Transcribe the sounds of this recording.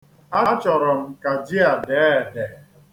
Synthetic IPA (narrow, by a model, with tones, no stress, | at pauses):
a˦t͡ʃɔ˨ɾɔ˨m̩˨ka˨d͡ʒi˦a˨de˨˦˨de˨